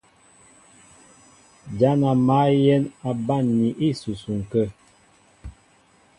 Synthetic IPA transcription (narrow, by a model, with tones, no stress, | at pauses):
d͡ʒa˦na˨ma˨˦jɛ˦na˨ba˦˨nːi˨ʔi˦su˨su˨ŋ̩˨kə˦